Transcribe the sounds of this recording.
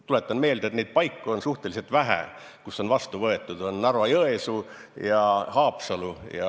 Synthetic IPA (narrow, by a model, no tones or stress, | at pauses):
t̪ule̞t̪ːˑɑnme̞ːld̪et̪ned̪̚pɑjkːuonsuht̪e̞lise̞lt̪væɦæ̰ | kusːo̞nvɑst̪uvɤe̞t̪ːˑud̪̥o̞nːɑrvɑjɤesujɑhɑːpsɑlujɑ